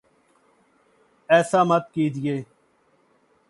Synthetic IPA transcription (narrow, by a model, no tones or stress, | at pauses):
ɛːsaːmət̪̚kiːd̪ɪjeː